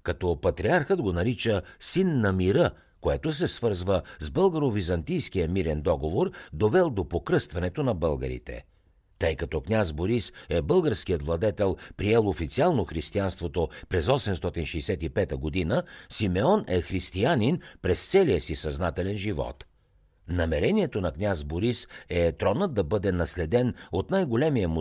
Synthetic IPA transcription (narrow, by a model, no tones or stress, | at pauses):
kɐt̪ɔpɐt̪ɾiaɾxəd̪ɡonɐɾit͡ʃəsinːɐmiɾə | koɛt̪osɛsvɤɾzvəzbɤlˠɡəɾovizɐnt̪ijsk̟ijəmiɾɛnd̪ɔɡovoɾd̪ovɛlˠd̪opokɾɤst̪vɐnɛt̪onɐbɤlˠɡə̰ɾḭt̪ɛ̰ | t̪ɤjkɐt̪ɔknʲazboɾisɛbɤlˠɡəɾsk̟ijət̪vlˠɐd̪ɛt̪ɛlˠpɾiɛlˠofit̪sialˠnoxɾist̪ianst̪vot̪opɾɛzɔsɛmst̪ɔt̪inʃɛjsɛt̪ipɛt̪əɡod̪inəsimɛɔnɛxɾist̪ianinpɾɛst̪sɛlijəsisɐznat̪ɛlɛnʒivɔ̰t̪ | nɐmɛɾɛniɛt̪onɐknʲazboɾisɛt̪ɾɔnəd̪̚ɐbɤd̪ɛnɐslɛd̪ɛnot̪najɡolɛmijəmu